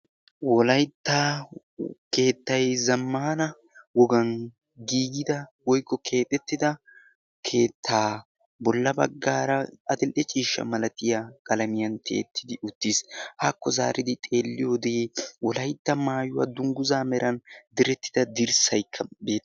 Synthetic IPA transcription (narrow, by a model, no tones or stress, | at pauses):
wɔlɐjt̪ːa | ke̞ːt̪ːɐjzɐmːaːnɐ | wɔɡɐn | ɡiːɡɪd̪ɐwɔjkːɔkʰe̞ːt̪ʼːɛt̪ːɪd̪ɐ | kʰe̞ːt̪ʰːaː | bɔlːɐbɐ̰ɡːaːɾɐɐd̪ɪlʔɛt͡ʃʼiːʃːɐ̰mɐlɐt̪ɪjakʼɐlɐmɪjɐnt̪ʰe̞̰ːt̪ʰːɪd̪ɪʔʊt̪ːishaːkːɔza̰ːɾɪd̪ɪt̪ʼe̞ːlːɪjod̪eːwɔlɐjt̪ːɐmaːjʊwa̰d̪ʊŋɡʊzaːmɛɾʔɐnd̪ɪɾɛt̪ːɪ̥d̪ɐd̪ɪɾsɐjkʰːɐbeː